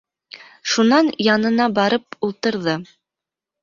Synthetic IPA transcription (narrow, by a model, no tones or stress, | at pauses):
ʃunɑnjɑnɤ̆nɑbɑɾɤp̚ulˠt̪ɤ̆ɾðɤ